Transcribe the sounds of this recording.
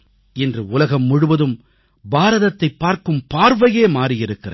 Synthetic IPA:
ɪndrɯʊlɐɣɐmːʊɽɯʋɐðɯm | baːɾɐðɐt̪ːɐɪpːaːɾkɯmpaːɾʋɐjeːmaːrijɪɾɯkːɪrɐ̰

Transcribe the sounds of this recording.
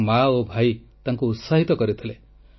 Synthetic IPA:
maobʱajt̪aŋkuːt̪saɦit̪ɔkɔɾit̪ʰile

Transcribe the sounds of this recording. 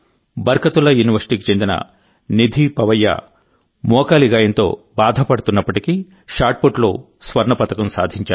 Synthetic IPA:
bɐɾkɐt̪ulɐjuːniʋɐɾsi̥ʈiːkit͡ʃe̞nd̪inɐ̰ | nid̪ʱipɐʋɐjːɐ̰ | mɔːkaːliɡaːjɐnt̪o̞̰ː | baːd̪ʱɐpɐɽut̪unːɐpːɐʈiki | ʃaːɾʈ̚poʈlo̰ː | sʋɐɾɳɐpɐt̪ɐkɐmsa̰ːd̪ʱiɲt͡ʃa̰ː

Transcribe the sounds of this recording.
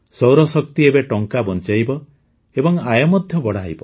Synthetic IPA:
sɔwɾɔsɔkt̪iebeʈɔŋkabɔnt͡ʃajbɔ | ebɔŋajɔmɔd̪ʱjɔbɔɽ̤aɦjbɔ

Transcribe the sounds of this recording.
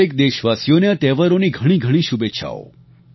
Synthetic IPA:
ek̚d̪eʃʋasjoneat̪ɛʋəɾoniɡʱəɽ̃iɡʱəɽ̃iʃubeʃʰa̰o̰

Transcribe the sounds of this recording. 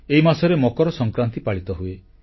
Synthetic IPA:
eɦimasɔɾemɔkɔɾɔsɔŋkɾant̪ipaɭit̪ɔɦue

